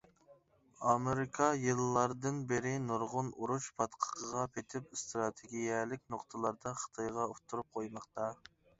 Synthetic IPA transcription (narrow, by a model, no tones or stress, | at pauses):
ɑmeɾɪkʰɑjɨlˠːɑɾd̪ɨnbɪɾɪnoɾʁʊnuɾuʃpʰɑt̪qʰə̥qʰəʁɑpʰet̪ʰɪp̚st̪ɾɑt̪ʰeɡʲijɛlɪkʲnoqt̪ʰəlˠɑɾd̪ɑχə̥t̪ʰɑjʁɑut̪ʰːuɾup̚qʰojmɑχt̪ɑ